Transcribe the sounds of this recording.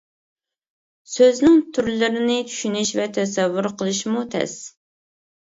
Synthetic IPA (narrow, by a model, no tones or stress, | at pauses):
søznɪŋt̪ʰyɾlɪɾɪnɪt͡ʃʰy̥ʃynɪʃvɛt̪ʰɛsɛvːʊɾqʰəlˠɨʃmut̪ʰɛ̰s